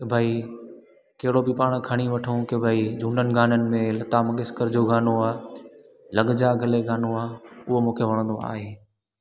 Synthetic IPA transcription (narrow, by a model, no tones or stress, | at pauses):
kbʱaːi | keɦɪɽobipaːɽ̃kʰɐɽ̃iʋɐʈʰõkebʱaːid͡ʑũːɳɖənɪ̆ɡaːnənɪ̆mẽlɐt̪aːmɐɠɪskəɾd͡ʑoːɡaːnoaː | lɐɠd͡ʑaɡʱɐleɡaːnoaːʊɦomũːkʰeʋɐɽ̃ə̃nd̪oa̰ːɦeː